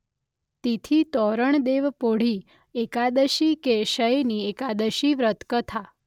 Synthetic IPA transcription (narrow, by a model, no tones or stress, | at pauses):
t̪it̪ʰit̪ɔɾəɳd̪eʋpoɽ̤i | ekad̪əʃikeʃəjniekad̪əʃiʋɾət̪kət̪ʰa